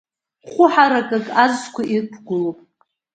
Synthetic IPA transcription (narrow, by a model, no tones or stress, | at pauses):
χʷʊħaɾakʼakʼazskʷʰaipʰɡʷʊlopʼ